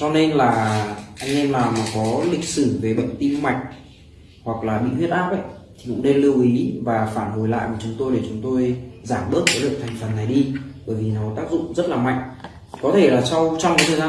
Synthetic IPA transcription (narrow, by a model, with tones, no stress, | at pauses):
t͡ɕɔ˧ne˧nlaː˨˩ʔa˧jŋ̟ʔɛ˧mlaː˨˩maː˨˩kɔ˨˦lï˨˩k̚sɨ˧˩ve˨˩ɓə̰˧˨ŋ̟t̪i˧mma˨˩jk̟̚ | hwa˨˩k̚laː˨˩ɓḭ˧˨hwi˦˥t̚ʔaː˦˥p̚ʔə̰˧˨j | t̪ʰi˨˩kʊ̰˧˥ŋ͡mne˧nlɨ˧əwʔi˨˦vaː˨˩faː˧˩nho˨˧˩jla̰ː˧˨jkə˨˧˩t͡ɕʊ˨˦ŋ͡mt̪o˧jɗe˧˩t͡ɕʊ˨˦ŋ͡mt̪o˧jzaː˧˩mɓə˦˥ət̚əː˨˦ɗɨ˨˩ək̚t̪ʰŋ̟fə˨˩nːa˨˩jɗi˧ɓəː˧˩jvi˨˩nɔ˨˦wt̪aː˦˥k̚zʊ̰˧˨ŋ͡mzə˦˥t̚laː˨˩ma̰˧˨jŋ | kɔ˨˦t̪ʰe˧˩laː˨˩sa˧wt͡ɕɔ˧wŋ͡mkɔ˨˦jt̪ʰə˨˩zaː˧